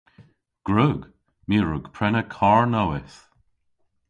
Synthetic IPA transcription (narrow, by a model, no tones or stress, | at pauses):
ɡ̥ɹuɡ | miːɹʊɡ̥pʰɹɛnəkʰɔɹnowɪθ